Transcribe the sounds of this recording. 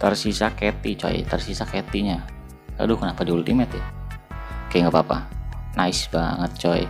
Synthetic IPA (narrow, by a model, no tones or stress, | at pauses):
t̪ərsisaket̪it͡ʃo̰ḭt̪ərsisaket̪iɲa | ka̰dukənapadiult̪imɛt̪ɛ | kajŋɡapapa̰naɪsbaŋət̪̚t͡ʃoḭ